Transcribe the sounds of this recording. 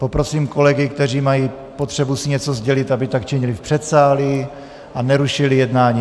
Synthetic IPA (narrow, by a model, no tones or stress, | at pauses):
po̞pɾo̞siːmko̞lɛɡɪkt̪ɛr̝iːmajiː | pot̪r̥ɛbusɪɲɛt͡sozɟɛlɪt̪abɪt̪akt͡ʃɛɲɪlɪfpr̥ɛt̪saːli | ʔanɛɾuʃɪlɪjɛd̪naːɲiː